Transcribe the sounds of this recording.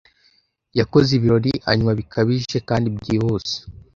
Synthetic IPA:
jako̞ziβiɾo̞ɾia̰ɲumaβikʰaβiʒe̞kaːndibɟiːhoːse̥

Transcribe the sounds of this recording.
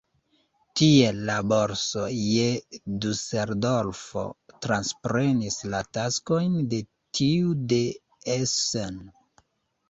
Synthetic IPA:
tie̞lːaboɾsojeduseɾdo̞lfo̞̰tɾanspɾe̞nislatasko̞jnde̞ | tʰiude̞ | esen

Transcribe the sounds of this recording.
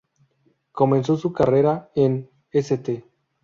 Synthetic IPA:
ko̞me̞nsosukareɾaen | eset̪e

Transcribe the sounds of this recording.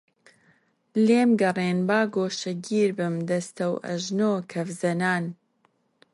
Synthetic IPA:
leːmɡɐrˤeːnbaːɡoːʃɐɡiːɾbɨmd̪ɐst̪ɐwʔɐ̰ʒnoːkʰɐvzɐnaːn

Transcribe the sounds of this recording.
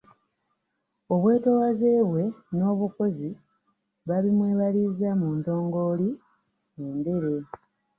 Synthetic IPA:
o̞βwe̞ːto̞waze̞ːβwe̞no̞ːβuko̞zi | βaβimweːβalizamuːnto̞ːŋɡo̞li | endulu

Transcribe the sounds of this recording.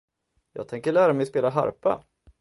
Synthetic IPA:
jɑ̰ːɡ̚t̪ʰɛŋkəɭæːɾamɛjspeːlaɦa̰ɾpa̰

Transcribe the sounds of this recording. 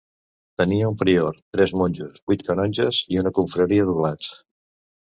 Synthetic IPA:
t̪əniəumpɾioɾt̪ɾɛzmonʲd͡ʒuzbujt̪̚kənɔɲd͡ʒəziunəkuɱfɾəɾiəðuβlat͡s

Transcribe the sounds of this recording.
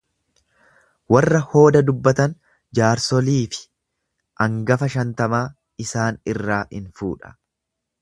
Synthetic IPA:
wɐrːɐho̞ːd̪ɐd̪ʊbːɐt̪ɐn | d͡ʒaːɾsɔliːfɪ̥ | ʔɐŋɡɐfɐʃɐnt̪ɐmaː | ɪsaːnɪrːaːhɪnfṵːᶑɐ̥

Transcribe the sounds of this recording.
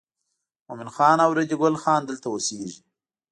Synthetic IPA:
mʊmɪnxɑːnawɾed̪iɡʊlxɑːnd̪əlt̪awoseʒi

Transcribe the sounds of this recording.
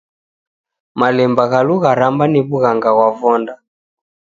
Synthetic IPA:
malɛmbaɣaluɣaɾambaniβuɣaŋɡaɣwavɔnda

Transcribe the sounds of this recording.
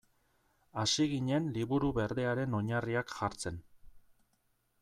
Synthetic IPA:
asiɣiɲe̞nliβuɾuβe̞ɾðe̞aɾe̞no̞ɲariakʝaɾt͡se̞n

